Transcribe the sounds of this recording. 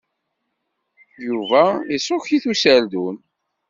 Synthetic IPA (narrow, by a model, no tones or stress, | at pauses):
juvæisˤoçiθusæld̪un